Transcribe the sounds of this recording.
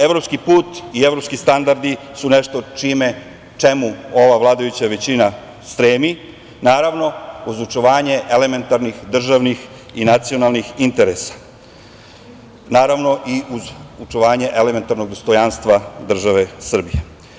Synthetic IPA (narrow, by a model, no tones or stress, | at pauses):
e̞ʋɾopskipuːt̪ieʋɾo̞pskist̪and̪aɾd̪i | sune̞ʃt̪o̞t͡ʃime̞ | t͡ʃe̞muo̞ʋaʋlˠaːd̪ajut͡ɕaʋe̞t͡ɕina | st̪ɾeːmi | naːɾaʋno̞uzut͡ʃoʋaːɲe̞ʔele̞me̞nt̪aɾnixd̪r̩ʒaʋnix | inat̪sio̞nalˠnixint̪e̞ɾesḁ | naːɾaʋno̞ʔiuzut͡ʃoʋaːɲe̞ʔeleme̞nt̪aɾno̞ɡd̪o̞st̪o̞janst̪ʋad̪r̩ʒaʋe̞sr̩bije